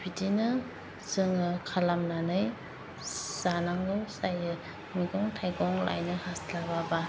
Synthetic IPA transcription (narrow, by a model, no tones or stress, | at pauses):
b̥ʰidinɯ | zɯŋɯkʰalamnanɯj | z̥anaŋlɯwsajɯ | miɡɔŋtʰajɡɔŋla̰jnɯhaslababa